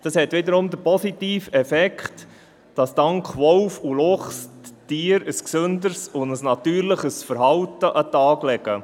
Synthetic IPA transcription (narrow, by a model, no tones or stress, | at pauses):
d̥ɑshɛt̪ʋɪd̪əɾʊmd̪əpɔsitiːfɛfɛkχt | d̥ɑsd̥ɑŋkχʋɔwfulʊχstiːɾəsksʏnd̪əɾsʊndəsnɑt̪yːɾləχəsfəɾhɑwtəʔɑt̪ɑːɡlɛɡə